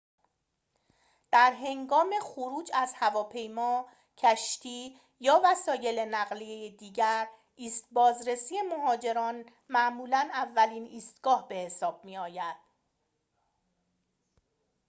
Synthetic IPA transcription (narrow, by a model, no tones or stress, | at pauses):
d̪̥æɾɦe̞ŋɡɒːme̞χoɾuːd͡ʒæzhævɒːpʰe̞jmɒː | cʰæʃt̪ʰiː | jɒːvæsɒːje̞le̞næɣliejed̪iːɟæɾ | iːst̪̚bɒːzɾe̞siːe̞moɦɒːd͡ʒe̞ɾɒːn | mæʔmuːlænævːæliːniːst̪ɡ̥ɒːhbe̞he̞sɒːb̥̚miːɒːjæd̪̥